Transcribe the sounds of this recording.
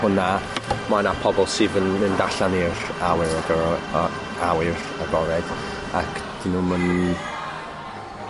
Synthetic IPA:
hʊnamanapʰɔbɔlˠsɪːðənəndaɬanirawɪɾɔɡə | awɪr | aɡɔɾɛd | akʰd̥inuːmən

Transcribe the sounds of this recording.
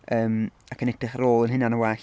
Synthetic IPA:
əːm | akʰənɛtrɪχəɾoːlˠənɦɪnanəwaɬ

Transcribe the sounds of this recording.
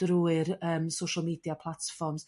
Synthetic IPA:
d̥ruːɨɾəːmsowʃalˠmiːdjapʰlˠatfɔrms

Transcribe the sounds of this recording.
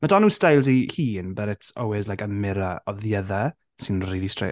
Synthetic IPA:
madɔnuːstajlˠzihiːnbəɾɪtʰɔlˠwɪzlajkəmɪɾaɔðjɛða | sɪnriːlistr̥ḛ

